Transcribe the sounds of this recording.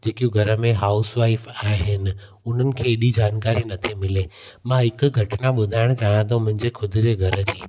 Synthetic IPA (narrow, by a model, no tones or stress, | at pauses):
d͡ʑeːkijũɡʱɐɾə̆mẽɦaːʊsʋaːɪfaːɪɦɪnɪ̆ | ʊn̤ənɪ̆kʰeːɗid͡ʑaːnkaːɾinɐt̪ʰimɪlemãɦɪkʊ̆ɡʱɐʈɪnaɓʊd̪ʱaːɪɽ̃t͡ɕaːjãt̪ʰõmʊ̃ɦɪ̃ɲd͡ʑexʰʊd̪ʱʊ̆d͡ʑeːɡʱɐɾə̆d͡ʑiː